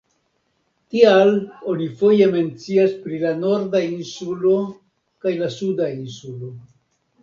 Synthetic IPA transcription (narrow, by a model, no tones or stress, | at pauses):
tialo̞nifo̞je̞me̞nt͡siaspɾilano̞ɾdainsulo̞ | kajlasudainsulo̞